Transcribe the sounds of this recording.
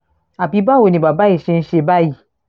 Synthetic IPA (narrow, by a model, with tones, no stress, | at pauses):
a˨bi˦ba˦wo˨nĩ˨ba˨ba˦i˨ʃe˧n̩˦ʃe˧ba˦ji˨